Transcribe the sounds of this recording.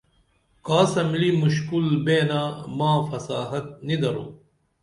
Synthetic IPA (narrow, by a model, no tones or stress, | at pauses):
kaːsɐmlimuɕkulbeːnaːmãːfɐsaːɦɐt̪̚nid̪ɐɾṵː